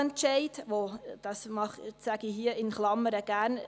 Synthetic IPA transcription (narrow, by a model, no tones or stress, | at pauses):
ɛntʃɛɪdʋod̥ɑsmɑχsæɡ̥iɦiəɪnχlɑmːəɾəɡ̥æːɾn